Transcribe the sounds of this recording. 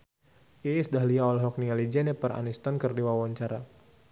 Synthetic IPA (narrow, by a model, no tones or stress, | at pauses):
ʔisdaɦliaɔlɔɦɔk̚niŋalid͡ʒɛnɛpəɾa̰nist̪ɔnkɨrdiwawaɲt͡ʃaɾa